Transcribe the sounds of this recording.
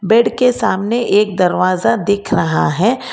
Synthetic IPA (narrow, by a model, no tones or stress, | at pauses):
bɛːɖkesaːmneʔeːk̚d̪ɐɾʋaːzad̪ɪːkʰɾɐɦaɦɛː